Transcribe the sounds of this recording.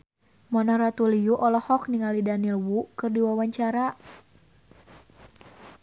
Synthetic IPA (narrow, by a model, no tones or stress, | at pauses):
mɔnɔɾat̪ulijuʔɔlɔhɔk̚niŋalidanilwukɨrdiwawaɲt͡ʃaɾa